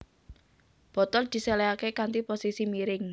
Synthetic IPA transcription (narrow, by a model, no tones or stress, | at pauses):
b̥ɔ̤t̪ɔld̪̥i̤sɛleakekant̪iposisimiɾɪŋ